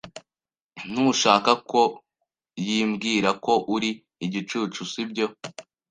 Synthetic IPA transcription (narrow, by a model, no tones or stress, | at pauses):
n̥uːʃaːkako̞ | jiːmɡiːɾako̞ʔuɾiː | ɟit͡ʃuːt͡ʃusibɟo̞